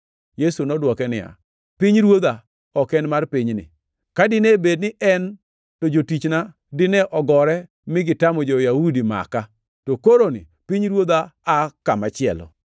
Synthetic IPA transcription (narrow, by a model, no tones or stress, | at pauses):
jesunɔdwɔkɛnɪja̰ | piɲɾwod̪a | ɔkɛnmarpɪɲnɪ̰ | kadɪnɛbednɪʔɛn | tod͡ʒotit͡ʃna | dɪnɛʔɔɡɔɾɛ | mɪɡɪtamɔd͡ʒojahudima̰ka | tokoɾonɪ̰ | piɲɾwod̪aːkamat͡ʃɪɛ̰lɔ̰